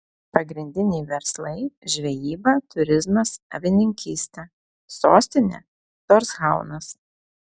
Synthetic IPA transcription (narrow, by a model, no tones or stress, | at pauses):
pɐɡɾʲɪnʲd̪ʲɪnʲɛɪʋʲɛɾslˠɐɪʒʲʋʲɛjiːbɐt̪ʊɾʲɪzmɐsɐ̰ʋʲɪnʲɪŋʲkʲiːsʲt̪ʲɛ | soːsʲt̪ʲɪnʲɛ̰ː | t̪oːɾsɣɑˑʊnɐs